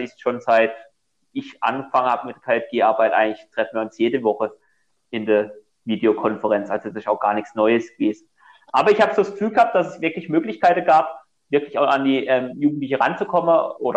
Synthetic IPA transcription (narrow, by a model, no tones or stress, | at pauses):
ɪçsʃoːnzaɪt | ɪçʔa̰nɡəfaŋənhaːbəmɪt̚d̥ɐkʰaːɛfɡ̥eːʔaɐbaɪtʔaɪŋ̩klɪçtʁ̥ɛfn̩viːɐʊnsjeːdəvɔχə | ʔɪndeːɐ | viːdeokʰɔnfəʁɛnt͡sʔalzoasɪʃaʊxɡ̥aːɐnɪçt͡snɔʏəsɡ̥əveːzn̩ | ʔaːbɐɪçhaːbəzoːdasɡ̥ə̥fyːlɡəhaːp̚d̥asɛsv̥ɪɐklɪçmøːklɪçkaɪtn̩ɡaːp | v̥ɪɐklɪçaʊxandiːʔɛːmjuːɡŋ̩tlɪçəʁant͡sukʰɔmənʔoːɾɐ